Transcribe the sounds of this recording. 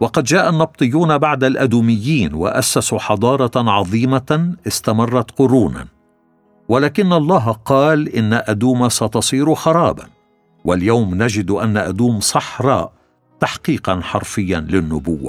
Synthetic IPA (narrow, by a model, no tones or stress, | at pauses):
wɑqɑd̪d͡ʒaːʔanːɑb̚t̪ˤɨjːuːnabaʕd̪alʔad̪uːmɪjːiːnwa̰ʔasːasuħɑd̪ˤɑːɾˤɑʕɑðˤiːmaʔɪst̪amɑrˤːɑt̪qʊɾuːna̰ | walaːkɪnːalˤːɑːɦqɑːlʔɪnːaʔad̪uːmasɑt̪ɑsˤiːɾʊxɑɾˤɑːba̰n | waljawmnad͡ʒɪd̪ʔanːaʔad̪uːmsˤɑħɾˤɑ̰ːʔ | t̪aħqiːqɑnħɑɾˤfɪjːanlɪnːʊbʊwːa̰